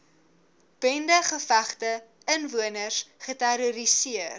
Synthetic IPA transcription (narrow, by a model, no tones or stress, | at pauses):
b̥ɛndəχəfæχtə | ənvuənərsχətæɾuɾisiər